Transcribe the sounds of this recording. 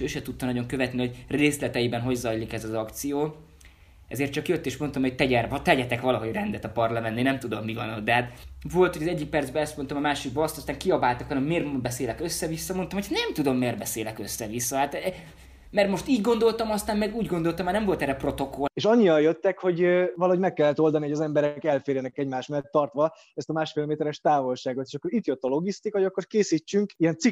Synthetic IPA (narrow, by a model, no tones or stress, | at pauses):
øːʃɛt̪ut̪ːɒnɒɟo̞ŋkøvɛt̪nihoɟreːslɛt̪ɛjibɛnɦo̞ɟzɒjlikɛzɒzɒkt̪sijoː | ɛ̰zeːrt̪t͡ʃɒkjøt̪ːeːʃmo̞nt̪ɒmho̞c̚t̪ɛɟɛrɒt̪ɛɟɛt̪ɛkʋɒlɒɦo̞ɟrɛnd̪ɛt̪ɒpɒrlɒmɛneːnɛmt̪ud̪omːivɒ̰nɒd̪ɛɦaːt̪vo̞lt̪hoɟɒzɛɟːik̚pɛrd̪zbɛɛst̪mo̞nt̪ɒmɒmaːʃiɡ̚bɒɒst̪ɒst̪aːŋkiɒbaːlt̪ɒkɒnɒmeːrbɛseːlɛkøsːɛvisːɒmo̞nt̪ɒmocʰnɛmt̪ud̪o̞mːeːrbɛseːlɛkøsːɛvisːɒhaːt̪ | mɛrmo̞ʃt̪iːɟɡo̞nd̪o̞lt̪ɒmɒst̪aːnmɛɡuːɟɡo̞nd̪o̞lt̪ɒmːanɛmvo̞lt̪ɛɾːɛpro̞t̪o̞koleːʃɒɲːijɒjøt̪ːɛkho̞ɟøvɒlɒɦoɟmɛkːɛlːɛt̪o̞ld̪ɒnihoɒzɛmbɛɾɛkɛlfeːɾjɛnɛkɛɟmaːʃmɛlːɛt̪ːɒrt̪ʋɒ | ɛst̪ɒmaːʃfeːlmeːt̪ɛɾɛʃt̪aːvo̞lʃaːɡot̪eːʃɒkːo̞ɾit̪jøt̪ːɒlo̞ɡist̪ikɒɦoɒkːo̞rkeːsiːt͡ʃːyŋkiɛnt̪si